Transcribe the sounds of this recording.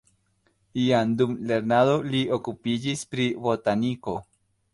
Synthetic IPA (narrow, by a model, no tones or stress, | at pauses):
iand̪umleɾnadoliokupid͡ʒispɾibo̞t̪aniko̞